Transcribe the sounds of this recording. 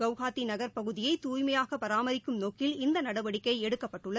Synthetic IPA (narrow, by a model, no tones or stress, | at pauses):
ɐʋɣaːt̪ːinɐɣɐɾpɐɣɯðɪjɐɪt̪uːjmɐjaːɣɐpɐɾaːmɐɾɪkːɯmnoːkːɪlɪnd̪ɐnɐɽɐʋɐɽɪkːɐɪɛɽɯkːɐpːɐʈːɯɭːɐ